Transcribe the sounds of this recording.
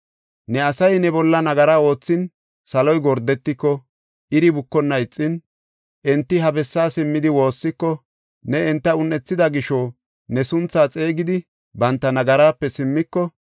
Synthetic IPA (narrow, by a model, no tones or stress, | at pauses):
nɛɐsɐjnɛbɔlːɐnɐɡɐɾaːo̞ːt͡sːɪn | sɐlɔjɡɔɾd̪ɛt̪ːɪkːɔ | ʔɪɾɪbʊkːɔnːɐɪt͡sʼːɪn | ʔɛnt̪ːɪɦɐbɛsːaːsɪmːɪd̪ɪwo̞ːsːɪkːɔ | nɛɛnt̪ːɐʊnːɛt͡sːɪd̪ɐɡɪʃɔ | nɛsʊnt͡sːaːt͡sʼe̞ːɡɪd̪ɪ | bɐnt̪ːɐnɐɡɐɾaːpːɛsɪmːɪkːɔ